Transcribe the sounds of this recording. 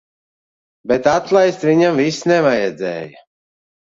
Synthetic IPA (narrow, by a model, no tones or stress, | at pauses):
bɛt̪at̪lˠajst̪viɲamvisnɛvajɛd̪zɛ̰ːjɐ